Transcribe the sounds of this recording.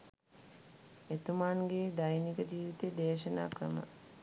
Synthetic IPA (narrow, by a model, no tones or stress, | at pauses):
et̪umanɡeːd̪ajnikəd͡ʒiːʋit̪ed̪eːʃəna̰ːkɾə̰mə̰